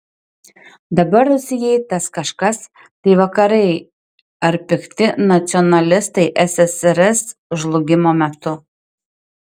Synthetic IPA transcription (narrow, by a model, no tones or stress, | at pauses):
d̪ɐbɐɾʊʃʲsʲɪjɛɪt̪ɐskɐʃkɐs | t̪ɐɪʋɐkɐɾɐɪ | ɐɾpʲɪkt̪ʲɪnɐt̪sʲɨɔnɐlʲɪst̪ɐɪʔɛsɛsɛɾɛsʒlˠʊɡʲɪmoːmʲɛt̪ʊ